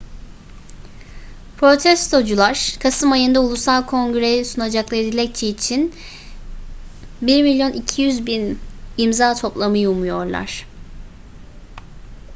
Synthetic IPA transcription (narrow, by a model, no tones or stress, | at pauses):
pʰɾo̞t̪ʰɛst̪ʰo̞d͡ʒulˠaɾ̥kʰasɯmajɯnd̪aulˠusalˠkʰo̞ŋɡɾe̞jɛsunad͡ʒaklˠaɾɯd̪ilʲɛc̚t͡ʃʰɛːt͡ʃʰin | biɾmilʲjo̞nicʰijyzbinimzaːt̪ʰo̞plˠamɯjumujo̞ɾlˠa̰ɾ̥